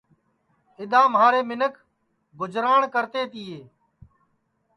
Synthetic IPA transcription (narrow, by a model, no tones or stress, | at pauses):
ɪd̪ãːmɦaːɾeːmɪnəkʰ | ɡʊd͡ʒɾaːɳkəɾt̪eːt̪ɪːeː